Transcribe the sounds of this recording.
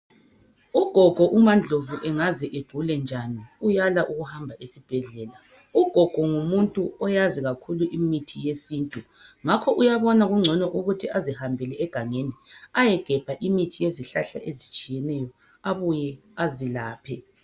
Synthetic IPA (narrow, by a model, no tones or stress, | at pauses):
uɡ̥ʱɔɡ̥ʱɔʔumand͡ɮʱovuʔɛŋazɛʔeɡ͡ǃʱulɛnd͡ʒʱaniujalaʔuɣuhambʱaʔesib̥ʱɛɮɛːla | uɡ̥ʱɔɡ̥ʱɔŋumuntʼuɔjaziɣakʰuluʔimitʰijesiːntʼu | ŋakʰɔʔujaβɔnaɣuŋ͡ǀʱɔnɔʔuɣutʰiʔazihambʱɛlɛɛɡ̥ʱaŋeniajɛɡ̥ʱɛb̥ʱaʔimitʰijeziɬaɬa̰ʔezit͡ʃʼijɛnɛjɔ | aβujɛ | azilaːpʰɛ